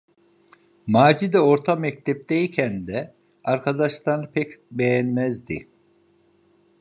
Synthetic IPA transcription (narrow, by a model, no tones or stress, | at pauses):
maːd͡ʒid̪ɛo̞ɾt̪ʰamɛc̚t̪ʰɛp̚d̪ejicʰænd̪ɛ | aɾkʰad̪aʃt̪anpʰɛcbejænmɛzd̪i